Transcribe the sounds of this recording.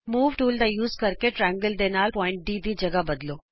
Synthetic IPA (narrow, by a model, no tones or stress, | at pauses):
muːʋʈuːld̪ajuːzkɐɾkeʈɾɛ̃ːŋɡəld̪enaːlpɔːɪ̃ɳʈ̚ɖiːd̪id͡ʒɐɡabɐd̪loː